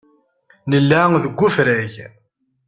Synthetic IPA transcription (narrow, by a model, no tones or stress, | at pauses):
nəlːæŋðəɡʷːufɾæʝ